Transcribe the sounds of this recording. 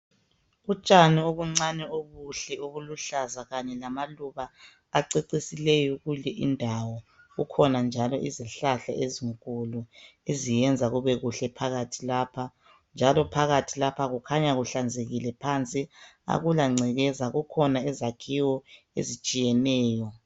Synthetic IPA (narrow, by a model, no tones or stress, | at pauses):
ut͡ʃʼanioβuŋ͡ǀanɛoɣuɬɛuɣuluɬazaɣaɲɛlamaluɣaː | ǀeǀisilɛjɔɣulɛʔindʱawɔ | ɣukʰɔnand͡ʒʱalɔʔiziɬaɬa̰ʔeziŋkʼuluezijɛnd͡zʱaɣuβɛɣuɬɛpʰaɣatʰilaːpʰa | nd͡ʒʱalɔpʰaɣatʰilapʰaɣukʰaɲaɣuɬand͡zʱeɣilɛpʰant͡sʼi | a̰ɣulaŋ͡ǀʱɛɣɛzaɣukʰɔnaizakʰiwɔ | ḛzit͡ʃʼijɛnɛːjɔ